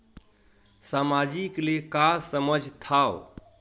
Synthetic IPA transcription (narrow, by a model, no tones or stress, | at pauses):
samad͡ʒiklekasəməd͡ʒʱt̪ʰao